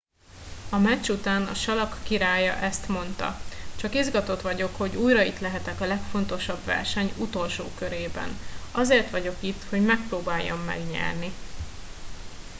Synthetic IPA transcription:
ɒmɛt͡ʃːut̪aːnɒ̰ʃɒlɒkːiɾaːjɒʔɛst̪mo̞nt̪ɒ̰t͡ʃɒkizɡɒt̪o̞t̪ʋɒɟo̞kho̞ɟuːjɾɒit̪lɛɦɛt̪ɛkɒlɛkfo̞n̪t̪o̞ʃɒbʋɛ̰rʃɛɲut̪o̞lʃo̰ːkø̞ɾeːbɛ̰nɒzeːrt̪ʋɒɟo̞kit̪ːho̞ɟmɛk̚proːbaːjːɒmːɛ̰ɡɲɛ̰rni

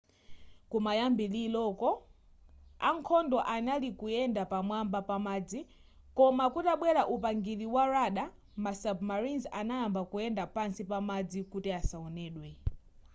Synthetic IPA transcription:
kumajambililɔkɔ | a̰ŋkʰɔndɔʔanalikujɛndapamwambapamaːd͡zi | kɔmakutaɓwɛɾaʔupaŋɡiliwaɾaɗa | masab̚maɾinzanajambakujɛndapansipamad͡zikutiasaɔnɛːɗwɛ

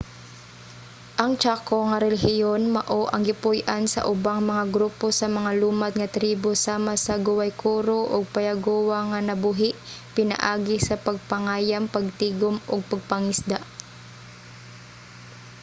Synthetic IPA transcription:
ʔɐŋt͡ʃakoŋɐɾɛlɪɦɪjonmɐʔoʔɐŋɡɪpʊjʔansɐ̰ʔʊbaŋmɐŋaɡɾuːposɐmɐŋaluːmad̪̚ŋɐt̪ɾiːbosaːmasɐɡʊwajkʰuɾoʔoɡ̚pɐjaɡuːwaŋɐnɐbuɦɪʔpɪnɐ̰ʔaːɡɪsɐpɐɡ̚pɐŋaːjampɐɡ̚t̪iːɡomʔoɡ̚pɐɡ̚pɐŋɪsd̪aʔ

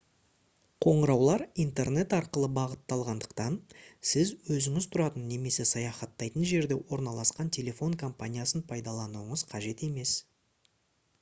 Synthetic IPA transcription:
qʰo̞ɴəɾɑwlˠɑɾijnt̪e̞rne̞t̪ɑɾqəlˠəbɑʁət̪ːɑlˠʁɑnd̪əqt̪ɑnsɪzwɵzɪŋɪzt̪ʰʊɾɑt̪ənːe̞me̞se̞sɑjɑχɑt̪ːɑjt̪ənʒe̞ɾd̪e̞wo̞ɾnɑlˠɑsqɑnt̪ʲʰe̞lʲe̞fo̞ŋkʰo̞mpanʲijasənpʰɑjd̪ɑlˠɑnuwəɴəzqʰɑʒe̞t̪e̞me̞s

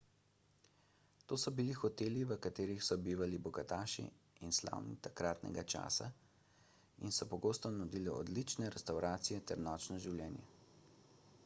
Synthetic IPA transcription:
t̪oːsɔbilixɔt̪eːliʋəkat̪eːɾixsɔbiːʋalibɔɡat̪aːʃḭ | insla̰ːwnḭt̪akɾaːt̪nɛ̰ɡat͡ʃa̰ːsa | insɔpɔɡoːst̪ɔnud̪iliɔ̰d̪lit͡ʃnɛɾɛst̪awɾaːt̪sijɛt̪ɛɾnɔːt͡ʃnɔʒiwlʲjɛːnjɛ̰

